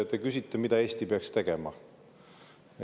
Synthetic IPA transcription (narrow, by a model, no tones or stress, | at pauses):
et̪ːekysʲit̪ːˑemid̪̥ɑe̞ːsʲt̪ipeɑkst̪e̞ɡ̥e̞mɑ̰